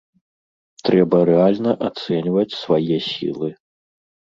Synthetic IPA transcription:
t̪ɾɛbɐɾɛalʲnɐʔat̪sɛnʲvɐt͡sʲsvajɛsʲḭlˠɨ

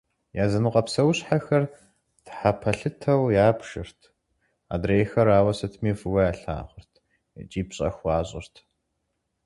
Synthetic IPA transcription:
jaːzɐnɨqʼɐpsɐwɕħaxɐr | tħapʰɐɬɨtʰɐwjaːpʃɨ̰rtʰ | a̰ːdrejxɐɾaːwɐsɐtʰmiːfɨwɐjaːɬa̰ːʁʷʊrtʰ | t͡ʃʼiːpɕʼɐ̰xʷɑːɕʼɪ̰rtʰ

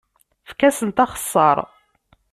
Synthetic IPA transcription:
fkæsənt̪ɑχə̥sˤːɑɾˤ

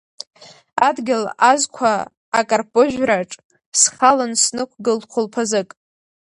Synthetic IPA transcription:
adɡʲɪlazkʷʰaː | kʼarpʼoʒᶣraʈ͡ʂʼ | sχalansnɨkʷʰɡɨlqʷʰʊlpʰazɨkʼ

